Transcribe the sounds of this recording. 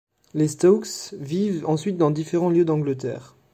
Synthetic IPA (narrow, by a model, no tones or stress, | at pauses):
lest̪ɔksvivɑ̃sɥit̪̚d̪ɑ̃d̪ifeʁɑ̃ljød̪ɑ̃ɡlət̪ɛ̰ːʁ